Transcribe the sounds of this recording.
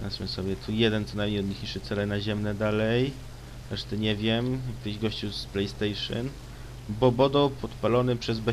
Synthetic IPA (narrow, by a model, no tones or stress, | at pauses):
a̰smɛsɔbʲjɛt̪ʰujɛd̪ɛnt̪sɔnajmɲejɔd̪ɲixɲiʂɘt̪sɛlɛnaʑɛmnɛd̪alɛj | ɾɛʂt̪ɛɲɛvʲjɛmkt̪ɘʑɡɔɕt͡ɕusplɛjst̪ɛjʂɨ̰n | bɔbɔd̪ɔpʰɔt̪palɔnɘpʂɛzbɛ